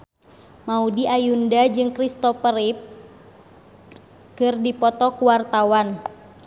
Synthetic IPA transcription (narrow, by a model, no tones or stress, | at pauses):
maudiajundad͡ʒɨŋkɾist̪ɔpəɾip̚ | kɨrdipɔt̪ɔkuwart̪awan